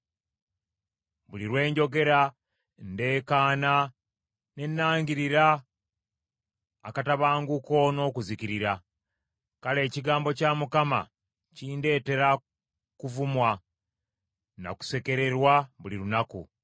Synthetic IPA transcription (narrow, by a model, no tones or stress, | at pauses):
βuliɾwe̞ːɲɟo̞ɡe̞ɾa | nde̞ːkaːna | ne̞nːaːɲɡiɾiɾa | kataβaːŋɡuko̞no̞ːkuzikiɾiɾa | kale̞ːciɡaːmbo̞camukama̰ | ciːnde̞ːte̞ɾa | kuvumwa | na̰ku̥se̞ke̞ɾe̞ɾwaβuliɾunakṵ